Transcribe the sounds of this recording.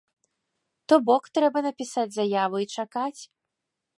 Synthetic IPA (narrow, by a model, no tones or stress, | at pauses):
t̪ɔbɔkt̪ɾɛbɐnɐpʲisad͡zʲzajavɨit͡ʂakat͡sʲ